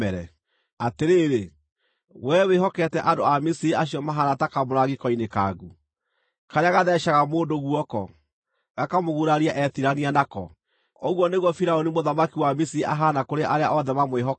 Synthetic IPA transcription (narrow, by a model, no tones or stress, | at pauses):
ɛɾɛ̰ | ateɾeːɾe | wɛweɦɔkɛtɛʔandoamisiɾiaɕiɔmaɦanatakaboɾaɣikɔineka̰ɡu | kaɾeaɣaðɛʃaɣamoːndoɣuɔkɔ̰ | ɣakamoɣuɾaɾiaʔɛtiɾanianakɔ̰ | oɣwɔneɣwɔfiɾaonimoðamakiwamisiɾiʔaɦanakoɾeʔaɾeaʔɔðɛmamweɦɔ